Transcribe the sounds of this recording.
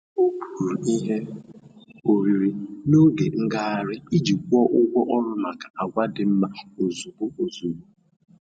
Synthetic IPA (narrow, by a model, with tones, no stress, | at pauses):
o˦pʰu˨ɾu˨i˦ɦe˦ | o˨ɾi˨ɾi˨no˦ɡe˨ŋ̩˦ɡa˦a˦ɾɪ˦i˦d͡ʒi˨kʷu˦ɔ˦ʔʊ˦ɡʷɔ˦ʔɔ˦ɾʊ˦ma˨ka˨ʔa˨ɡʷa˦dɪ˨m̩˦ma˨o˨zu˨bo˦o˨zu˨ɡ͡bo˦